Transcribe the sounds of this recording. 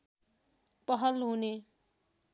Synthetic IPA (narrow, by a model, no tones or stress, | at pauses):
pʌɦʌlɦune